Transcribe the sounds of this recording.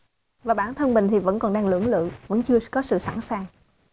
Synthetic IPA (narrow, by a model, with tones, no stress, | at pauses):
vaː˨˩ɓaː˧˩nt̪ʰə˧nɓï˨˩ŋ̟t̪ʰi˨˩və̰˧˥nkɔ˨˩nɗaː˧ŋlɨ̰˧˩əŋlɨ̰˧˨və̰˧˥nt͡ɕɨ˧əkɔ˨˦sɨ̰˧˨sa̰˧˩nsaː˨˩ŋ